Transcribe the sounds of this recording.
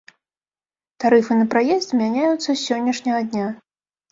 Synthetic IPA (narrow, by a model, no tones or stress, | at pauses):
t̪aɾɨfɨnɐpɾajɛst̪ʲmʲanʲajut̪sːɐsʲɔnʲːɐʂnʲɐɣɐd̪ʲnʲa